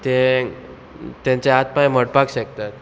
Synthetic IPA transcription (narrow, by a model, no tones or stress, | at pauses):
t̪e | t̪jãɲt͡seat̪̚pajməɽpakɕək̚t̪at̪̚